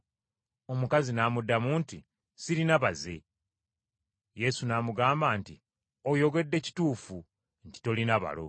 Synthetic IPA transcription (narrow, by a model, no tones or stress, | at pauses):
o̞mukazinamudːamuːnti | siɾinaβaze̞̰ | je̞sunaːmuɡaːmbaːnti | o̞jo̞ɡe̞dːe̞ci̥tuːfu | nci̥to̞linaβa̰lo̞̰